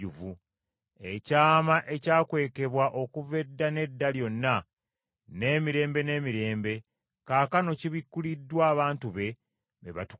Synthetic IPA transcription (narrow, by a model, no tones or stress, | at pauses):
uvu | ecaːmaʔe̞caːkwe̞ːke̞βwaʔo̞kuve̞dːane̞dːaljo̞nːa | ne̞ːmiɾe̞ːmbe̞ne̞ːmiɾe̞ːmbe̞ | kaːkano̞ciβikːulidːwaːβaːntuβe̞ | βeβa̰tu̥